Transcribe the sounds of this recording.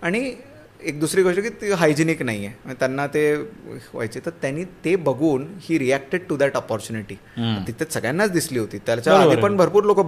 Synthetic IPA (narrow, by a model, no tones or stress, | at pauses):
aɽ̃i | ek̚d̪usɾiːɡoʂʈəkiːt̪iɦajd͡ʑiniknaijemə̃t̪janːat̪eʋa̰jt͡ɕet̪əɾt̪janiːt̪ebəɡuːnhiːɾiæk̚ʈeɖ̚ʈud̪æʈɔpɔɾt͡ɕuːniʈiːt̪it̪ʰesəɡɭjanːat͡sd̪isliːɦot̪iːt̪jat͡ɕjaaipəɳbʱəɾpuːɾlokəb